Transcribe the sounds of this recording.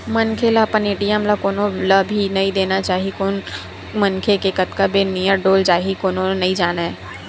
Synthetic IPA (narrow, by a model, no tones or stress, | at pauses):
mɐnkʰelapɐneːʈijamlakoːnõlabʱinɐĩd̪eːnat͡ʃaːɦiekoːn | mɐnkʰekekɐt̪kabenijəɖoːld͡ʒaːɦikoːnõnɐɦĩd͡ʒaːnaɦɛː